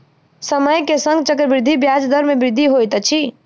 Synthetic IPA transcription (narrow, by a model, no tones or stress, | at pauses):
səməjkesəŋɡt͡ʃəkɾbɾd̪ʱibjad͡ʒd̪əɾmebɾɪd̪ʱiɦojt̪t͡ʃʰi